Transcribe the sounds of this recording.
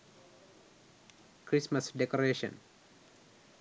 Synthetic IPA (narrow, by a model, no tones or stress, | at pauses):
kɾismasdɛkɔɾeʃɔ̰̃n